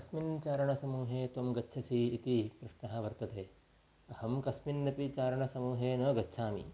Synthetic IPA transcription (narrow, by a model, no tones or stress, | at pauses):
kɐsmint͡ʃaːɾɐɳɐsɐmuːɦeːt̪ʋɐmɡɐtːʃʰɐsiːt̪ikɾɪʂɳɐɦɐʋɐɾt̪ɐt̪eː | ɐhɐmkɐsminːɐpit͡ʃaːɾɐɳɐsɐmuːɦeːnɐːɡɐtːʃʰaːmḭ